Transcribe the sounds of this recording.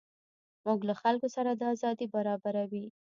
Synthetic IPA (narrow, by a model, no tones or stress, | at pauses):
muɡlaxalkosaɾad̪əazɑd̪ibaɾɑbaɾawi